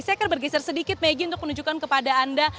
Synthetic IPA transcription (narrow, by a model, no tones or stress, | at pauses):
sakərbərɡɛsɛrsədikɪt̪̚meɡiunt̪ʊk̚mənud͡ʒukankəpadaːnda